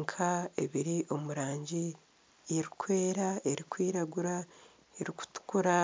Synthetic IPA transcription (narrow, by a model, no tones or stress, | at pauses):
ŋkʰae̞̰βiɾiʔo̞muɾaːɲɟi | eɾikwe̞ːɾae̞ɾikwiːɾaɡuɾa | eɾiku̥tu̥kuɾa